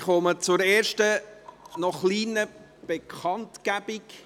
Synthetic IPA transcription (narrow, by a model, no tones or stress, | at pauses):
χɔmət͡sʊɾeːɾʃtənɔχliːnə | b̥ekʰχɑntkæb̥ɪk